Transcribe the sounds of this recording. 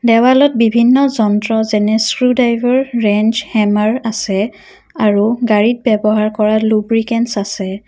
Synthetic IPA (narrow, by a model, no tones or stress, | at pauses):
dɛwalɔt̚bibʱinːɔzɔntɹɔzɛnɛskɹudajvʱɔɹːɛnd͡ʒhɛmaɹasɛ | aɹuɡaɹit̚bɛbɔɦaɹkɔɹalubɹikɛnsasɛ